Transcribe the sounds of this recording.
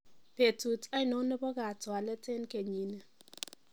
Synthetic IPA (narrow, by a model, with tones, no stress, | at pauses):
pe˨tu˨ta˦ɪ˦nɔ˨˦nɛ˦bɔ˦ɡa˨twa˨lɛ˦te˦nke˨ɲi˨nɛ˨